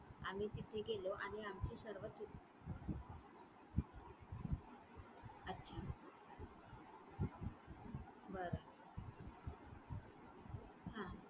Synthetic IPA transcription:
a̰miːt̪it̪ʰeɡeloʔaɽ̃iamt͡ɕiːsəɾʋət͡si | ətːɕʰa | bəɾa | ɦã

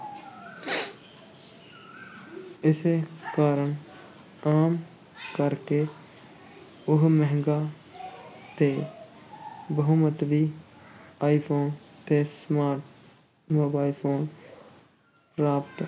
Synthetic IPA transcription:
ɪsekaːɾəɳ | aːm | kɐɾke | ʊɦmɛɦŋɡa | t̪eː | bəɦʊmət̪ʋiː | aːipʰoːnt̪esmaːɾʈ | moːbaːipʰoːn | pɾaːpt̪

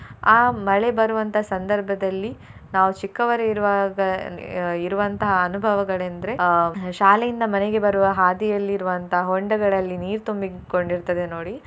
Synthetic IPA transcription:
aːmɐɭe̞bɐɾuʋɐnt̪ɐɦɐsɐnd̪ɐɾbʱɐd̪ɐlːi | naːʋut͡ʃikːɐʋɐɾeiɾʋaɡɐ | iɾuʋɐnt̪ɐɦɐːnubʱɐʋɐɡɐɭend̪ɐɾe̞ʃaːlejind̪ɐmɐneɡe̞bɐɾuʋɐɦaːd̪ijɐlːiːɾuʋɐnt̪ɐɦɐɦoɳɖɐɡɐɭɐlːiniːɾt̪umbi | ko̞ɳɖiɾt̪ɐd̪e̞no̞ːɽi

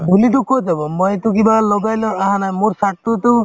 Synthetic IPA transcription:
bʱulid̪ukʰod͡ʒabɔmɔjt̪uk̬ibalɔɡajlɔaɦãnaemoɾsaʈut̪u

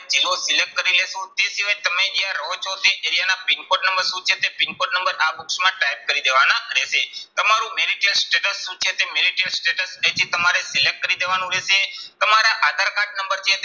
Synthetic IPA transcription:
d͡ʒilosɪlek̚ʈ̚kəɾilesũt̪esiʋajt̪əmẽd͡ʒijaɾot͡ʃʰot̪eʔeɾijanapɪnkoʈnəmbəɾsũt͡ʃʰet̪epɪnkoʈnəmbəɾabuksmãʈajp̚kəɾid̪eʋanaɾeʃet̪əmaɾũmeɾiʈjəlsʈeʈəsːũt͡ʃʰet̪emeɾiʈijəlsʈeʈəset͡ʃ̪ʰit̪əmaɾesɪlek̚ʈ̚kəɾid̪eʋanũɾeʃet̪əmaɾaʔad̪ʱaɾkaʈ̚nəmbəɾt͡ʃʰet̪

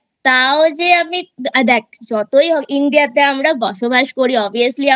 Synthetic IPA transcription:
t̪aod͡ʑeamid̪ɛk̚d͡ʑɔt̪ojɔiɳɖijat̪eamɾabɔʃobaʃkoɾiɔbʱiəslia

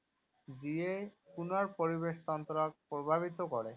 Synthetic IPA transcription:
d͡ʑiekunaɾpoɾibeʃt̪ɔnt̪ɾak̚pɾobʱabit̪okɔɾe

